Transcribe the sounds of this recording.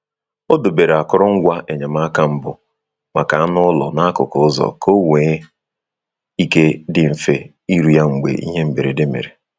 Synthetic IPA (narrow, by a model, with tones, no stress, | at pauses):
o˦dʊ˨be˨ɾe˨a˨kʊ˦ɾɔ˦ŋ̩˦ɡʷa˦ʔe˨ɲe˨m̩˦a˦ka˦m̩˦bʊ˨ | ma˨ka˨a˦nʊ˦lɔ̰˨na˦a˦kʊ̰˨kʊ˦zɔ̰˨ko˦weː˨˦ | i˦ke˦dɪ˨ɱ̩˨fe˦ | i˦ɾu˨ja˦ŋ͡m̩˨ɡ͡bḛ˨ʔḭ˦ɦe˦m̩˨be˨ɾe˨dɪ˦mḛ˨ɾe˨